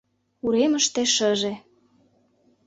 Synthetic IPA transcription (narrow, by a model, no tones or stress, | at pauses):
uɾemə̆ʃt̪eʃə̆ʒĕ